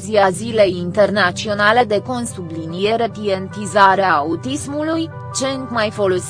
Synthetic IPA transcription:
ziazile̞jint̪e̞rnat͡ʃio̞nale̞d̪e̞ko̞nsublinije̞ɾe̞p̪ie̞nt̪izaɾeaut̪ismuluj | t͡ʃeŋkmajfo̞lo̞s

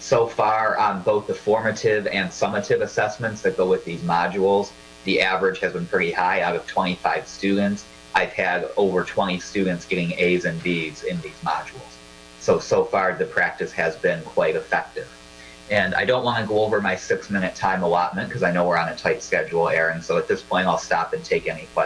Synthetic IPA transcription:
soʊfɑɹə̃nboʊθðəfɔɹmɨɾɪvɨ̃nsʌmɨɾɪvəsɛsmɨ̃ntsðɨt̚ɡ̥oʊwɨðizmɑd͡ʒul̩ˠz | ðiʔævə˞ɨ̥ʒ̥ɨzbɨ̃n̩pʰɹ̥ɪɾihaɪaʊɾʌv̥tʰw̥ɛ̃ɾ̃ifaɪv̥stʉdⁿn̩ts | ʔaɪv̥ɨɾoʊvə˞tʰw̥ɛ̃ɾ̃istʉdⁿn̩tsɡ̥ɛɾɪ̃ŋeɪzɨ̃nbizɪ̃nðizmɑd͡ʒul̩ˠz̥ | soʊsoʊfɑɹðɨpʰɹ̥æk̚tɨshɨzbɪ̃nkʰw̥aɪɾɨfɛk̚tɪv̥ | ɨ̃na̰ɪdõʊ̃nʔ̚wɑ̃nɨɡoʊoʊvə˞maɪsɪksmɪ̃ñɨtʰãɪ̃məlɑt̚mɨ̃nkʰʌzaɪnoʊwəɹɨ̃nɨtʰaɪtskɛd͡ʒul̩ˠɛɹɨ̃nsoʊɨt̪̚ðɪspʰɔ̃ɪ̃ñtaɪlˠstɑpɨ̃n̩tʰeɪkɛnikʰw̥ɛ

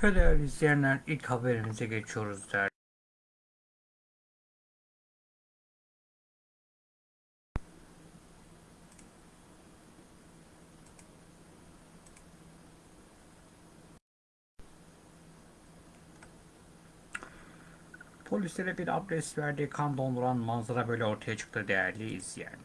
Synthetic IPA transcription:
pʰelɛɾizlʲijænlʲæɾilchabe̞ɾimizɛɟe̞t͡ʃʰijo̞ɾuzd̪æɾ | pʰo̞lʲislʲeɾɛbiɾa̰bɾɛsvæɾd̪iːkʰand̪o̞nˠd̪uɾanmanzˠaɾabø̞jlʲɛo̞ɾt̪ʰajat͡ʃʰɯ̥k̚t̪ʰɯːd̪ejæɾlʲiːizlʲijæ̰n

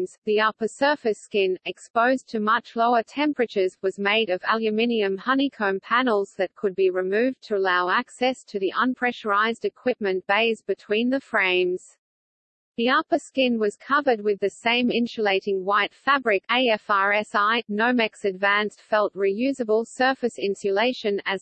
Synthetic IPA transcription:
mz̥ðiʌpə˞sɜ˞fɨskɪ̃nɨkspoʊztʰɨmʌt͡ʃloʊə˞tʰɛ̃mpɹɨt͡ʃə˞zwʌzmeɪɾʌvælˠjɨmɪ̃niɨ̃mhʌnikʰõʊ̃mpʰænl̩ˠz̥ðɨt̚kʰɨd̚biɹɨmʉvtʰɨəlaʊæksɛstʰɨðiʔə̃npʰɹ̥ɛʃə˞aɪzdɨkʰw̥ɪp̚mɨ̃nb̥eɪzbɨtʰw̥ĩnðɨfɹẽɪ̃mz̥ | ðiʌpə˞skɪ̃nwʌz̥kʰʌvə˞d̚wɨðɨsẽɪ̃mɪ̃nʃɨleɪɾɪ̃ŋwaɪtfæbɹɪkeɪɛfɑɹɛsaɪnoʊmɛksɨdvæ̃nstfɛlˠt̚ɹijʉzɨbəl̩ˠsɜ˞fɨsɪ̃nsɨleɪʃɨ̃nɨz

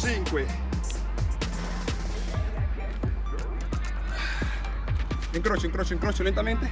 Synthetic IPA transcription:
t͡ʃiŋkwe | iŋkɾot͡ʃoiŋkɾot͡ʃoiŋkɾoɔːt͡ʃolent̪ament̪e

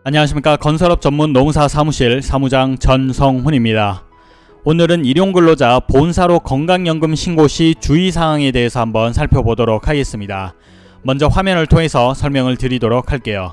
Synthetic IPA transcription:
aɲiwaɕʰimik͈akʌnsʰʌɾʌp̚t͡ɕʌmːunːomusʰasʰamuɕʰiɭsʰamud͡ʑaŋt͡ɕʌnsʰʌŋɸuɲimɲida | onɯɾɯniɾjoŋɡɯɭːod͡ʑaponsʰaɾokʌŋɡaŋjʌŋɡɯmɕʰinɡoɕʰit͡ɕuis̬ʰaŋwaŋede̞ɦesʰʌhambʌnsʰaɭpʰjobodoɾok̚ʰaɡe̞s͈ɯmɲida | mʌnd͡ʑʌɸwamjʌnɯɭtʰoŋe̞sʰʌsʰʌɭmjʌŋɯɭtɯɾidoɾok̚ʰhaɭk͈e̞jo

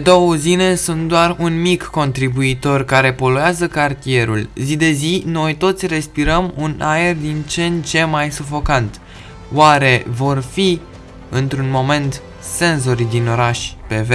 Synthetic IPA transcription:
ed̪o̞wuzine̞sunt̪̚d̪oarunmikːo̞nt̪ɾibuit̪o̞rkaɾe̞po̞lueazəkart̪ie̞ɾṵlzid̪e̞zino̞jt̪o̞t̪sʲre̞spiɾəmunae̞rd̪int͡ʃe̞nt͡ʃe̞majsufo̞kant̪ | waɾe̞vo̞rfi | ɨnt̪ɾunmo̞me̞nt̪ | se̞nzo̞ɾid̪ino̞ɾaʃʲpe̞ve

